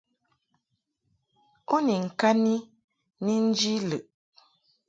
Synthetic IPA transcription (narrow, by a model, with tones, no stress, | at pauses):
o˦ni˨ŋ̩˨ka˦ni˦ | ni˦n̩˦d͡ʒi˦lə˨ʔ